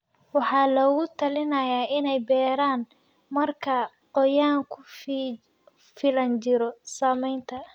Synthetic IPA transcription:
wɑħɑːlɔːɣʊt̪ʰɐlɪnɐjaːɪnɛjbɛːɾaːn | mɐrkʰɐ | qɔjaːŋkʰʊ | fɪlɐnt͡ʃɪɾɔsaːmɛjnt̪ʰɐ

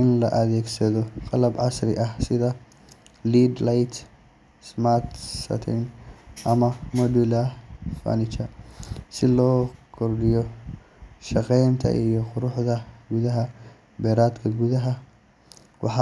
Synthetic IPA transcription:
ʔɪnlɐ̰ʔɐðɛːɡsɐðɔqɑlɐbʕɑsɾɪʔɐhsɪðɐ | liːd̪lajt̪ | smart̪sɐ̰t̪ʰɛ̰nʔɐmɐmɔdulafa̰nɪt͡ʃɐsɪlɔːkʰɔrɖɪjɔ | ʃɑqɛjnt̪ʰɐ̰ʔijɔqʊɾʊħðɐɡuðɐɦɐ | bɛːɾaːd̪kʰɐɡuðɐɦɐ | wɑ̰ħɑ

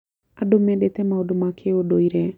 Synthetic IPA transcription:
adomɛɗet̪ɛmaodomakʰeodoiɾɛ

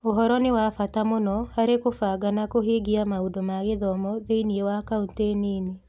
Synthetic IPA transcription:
oɦɔɾɔnewafatamonɔhaɾekofaːɡanakoɦeɡiamaudomaɣeðɔmɔðeiniewakaunteːniːne

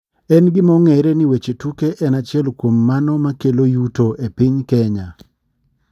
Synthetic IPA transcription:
ɛnɡɪmɔŋeɾenɪwet͡ʃetukeʔɛnat͡ʃɪɛlkwomːanɔmakelojutoʔepiɲkɛɲa

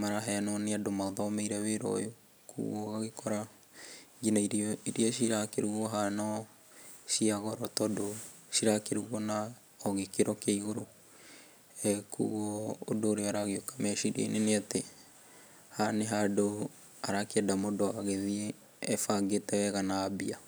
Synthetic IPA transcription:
maɾaɦɛnɔneadomaoðɔmeiɾɛweɾɔ̰jo | kʰṵɣɔɣaɣekɔɾa | ɡinaiɾiɾiɔʃiɾakeɾuɣɔɦanɔ | ʃiaɣɔɾɔtɔdo | ʃiɾakeɾuɣwɔna | ɔɣekeɾɔkaiɣoɾo | ɛkṵɣwɔo̰doːɾeaɾaɣeokḁmɛʃiɾḛineneate | haneɦado | aɾakɛdamodoaɣeðieː | faɡetɛwɛɣanaːbia

